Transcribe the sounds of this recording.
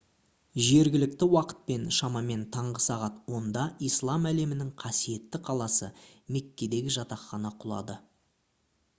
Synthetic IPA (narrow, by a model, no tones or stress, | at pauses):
ʒe̞ɾɡʲɪlɪkt̪ɪwɑqə̥t̪̚pe̞nʃɑmɑme̞nt̪ʰɑɴʁəsɑʁɑt̪wo̞nd̪ɑʔijslˠɑmæle̞mɪnɪŋqʰɑsije̞t̪ːɪqʰɑlˠɑsə̰me̞kʲːe̞d̪e̞ɡʲɪʒɑt̪ɑqːɑnɑqʰʊlˠɑ̰d̪ə